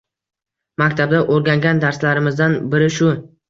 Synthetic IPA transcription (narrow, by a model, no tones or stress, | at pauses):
makʲt̪ʰab̚d̪aʔoɾɡʲaŋɡʲand̪aɾslaɾɪmɪzd̪anbɪɾɪʃʊ